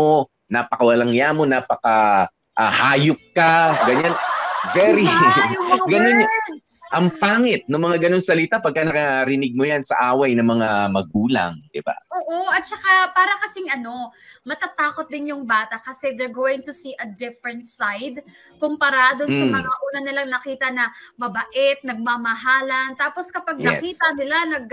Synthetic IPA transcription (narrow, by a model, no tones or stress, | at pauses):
o | napɐkɐwɐlɐŋjaːmo̞naːpɐkɐ | ʔahaːjok̚kaɡɐɲanvɛɾioɡɐnon | ʔɐŋpaːŋɛt̪̚nɐŋmɐŋaɡɐno̞nsɐlɪt̪apɐɡ̚kanɐkɐɾɪnɪɡ̚mojansɐ̰ʔaːwɐjnɐmɐŋamɐɡ̚uːlɐ̰ŋd̪̥ɪba̰ʔoːʔoʔɐt̪̚t͡ʃɐkapaːɾɐkɐsɪŋʔɐno̞mɐt̪at̪aːko̞t̪̚d̪ɪnjʊŋbaːt̪ɐkɐsɛd̪ɛɹɡowɪŋt̪ʊsiːʔɐd̪ɪfɹɛnt̪sajd̪̚ | kompɐɾaːd̪osɐmɐŋaʔuːnɐnɪlɐŋnɐkiːt̪ɐnɐmɐbɐʔɛt̪̚nɐɡ̚maːmɐɦaːlɐnt̪aːpo̞skɐpaɡ̪̚ɐɛ̰kiːt̪ɐnɪlanɐɡ̚